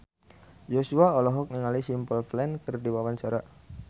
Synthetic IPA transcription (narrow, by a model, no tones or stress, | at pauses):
d͡ʒosuaɔlɔɦɔk̚niŋalisimpəlflɛnkərdiwawaɲt͡ʃaɾa